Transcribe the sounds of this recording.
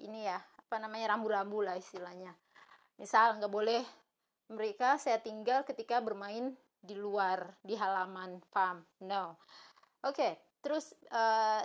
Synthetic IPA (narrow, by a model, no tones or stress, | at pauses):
inijaapanamaɲaɾambuɾambulahist̪ilahɲa | misalŋɡaʔbolɛh | məɾekasajat̪iŋɡalkət̪ikabərmaɪn | diluardiɦalamanpamnow | ʔoke | t̪əɾʊsə